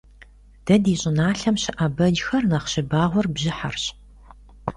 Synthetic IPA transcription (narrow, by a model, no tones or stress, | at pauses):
d̥ɐdiːɕʼɪnaːɬɐmɕɪʔɐbɐd͡ʒxɐrnɐχɕɪbaːʁʷɔrbʑɪħarɕ